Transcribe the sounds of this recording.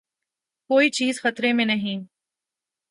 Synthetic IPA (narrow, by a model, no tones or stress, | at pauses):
koːit͡ʃiːzxɐt̪ɾemẽnɐɦĩː